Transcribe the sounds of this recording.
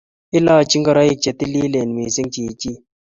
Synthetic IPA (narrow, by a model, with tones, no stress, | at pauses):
i˦la˦˨t͡ʃi˦ŋɡa˨ɾa˦ji˦˨k̚t͡ʃe˨t̪i˦li˦le˨n˨mi˨si˦ŋt͡ʃi˨t͡ʃi˦